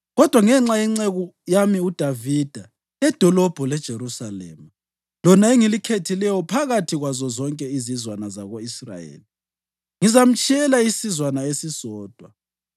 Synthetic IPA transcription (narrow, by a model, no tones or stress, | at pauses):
ɣɔd̥ʱwaŋɛŋ͡ǁaɛŋ͡ǀeɣɔjamiud̥ʱavid̥ʱa | ɛd̥ʱɔlɔb̥ʱɔlɛd̥ʒ̥ʱeɾusalḛmu | lɔnaeŋilikʰetʰilɛjɔpʰaɣatʰiɣwazɔzɔŋkʼɛizizwanaza̰ɣoisra̰jḛːli | ŋizam̩t͡ʃʼiɛlaisizwanaesisɔːd̥ʱwa